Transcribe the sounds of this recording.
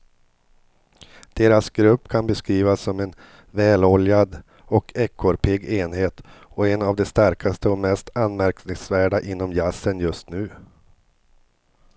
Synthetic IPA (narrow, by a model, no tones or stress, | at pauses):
d̪̥eːɾasɡɾɵpːkʰanbɛskɾiːvasːɔmɛn | vɛːlɔljad̪ | ɔkʰɛkʰːɔɾpʰɪɡeːnɦeːt̪ɔɛnavd̪ɛst̪aɾkʰast̪əɔmɛst̪anːmæɾknɪŋsvæːɖaʔɪnːɔmjasːənjɵst̪nʉ̟ː